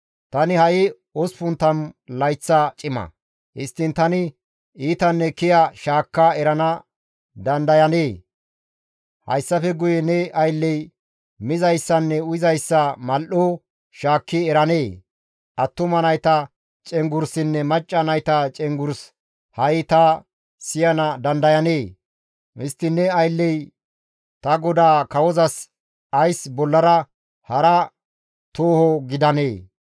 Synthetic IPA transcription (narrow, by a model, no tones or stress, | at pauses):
t̪ɐnɪhɐʔɪ | ɔspʊnt̪ːɐnlɐjt͡sːɐt͡ʃʼɪmɐ̰ | hɪ̰st̪ːɪnt̪ɐnɪ | iːt̪ɐnːɛkɪjɐʃaːkːɐɛɾɐnɐ | d̪ɐnd̪ɐjɐneː | hɐ̰jsːɐfɛɡʊjɛnɛʔɐjlːɛj | mɪzɐjsːɐnːɛʊɪzɐjsːɐmɐlʔoː | ʃaːkːɪɛɾɐneː | ʔɐt̪ːʊmɐnɐjt̪ɐ | t͡ʃʼɛŋɡʊɾsɪnːɛmɐt͡ʃʼːɐnɐjt̪ɐt͡ʃʼɛŋɡʊɾs | hɐjɪt̪ɐ | sɪjɐnɐd̪ɐnd̪ɐjɐneː | hɪst̪ːɪnːɛɐjlːɛj | t̪ɐɡɔd̪aːkɐwɔzɐs | ɐjsbɔlːɐɾɐ | hɐɾɐ | t̪oːhɔɡɪd̪ɐne̞ː